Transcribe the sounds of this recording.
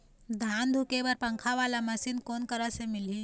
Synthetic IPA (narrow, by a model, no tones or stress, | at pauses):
d̪ʱand̪ʱukeʋəɾpəŋkʰaʋalaməsiːnkonkəɾasemili